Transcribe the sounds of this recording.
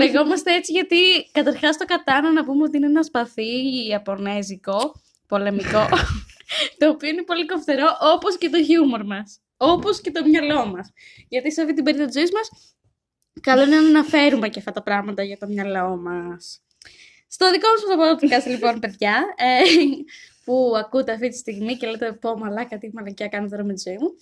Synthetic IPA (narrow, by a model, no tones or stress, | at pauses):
leɣo̞mɐst̪ee̞t͡siʝɐt̪ikɐt̪ɐɾxɐst̪o̞kɐt̪ɐnɐnɐpumeot̪iineenɐspɐθiɐpo̞neziko̞ | po̞le̞miko̞ | t̪o̞ːpioine̞po̞likoft̪eɾo̞ʔopo̞sce̞t̪o̞çumo̞ɾmɐs | opo̞sce̞t̪o̞mɲɐlo̞mɐs | ʝɐt̪isɐft̪it̪ibe̞ɾiðɐt̪izo̞izmɐs | kɐlo̞inɐnɐnɐfe̞ɾume̞cɐft̪ɐt̪ɐpɾɐɣmɐt̪ɐʝɐt̪o̞mɲɐlo̞mɐs | st̪o̞ðiko̞mɐspot̪opoðot̪ikɐst̪elipo̞npe̞ðʝɐe | puɐkut̪e̞ɐft̪it̪i̥st̪iɣmice̞let̪epomɐlɐkɐt̪imɐlɐciɐkɐnot̪oɾɐmet̪izo̞imu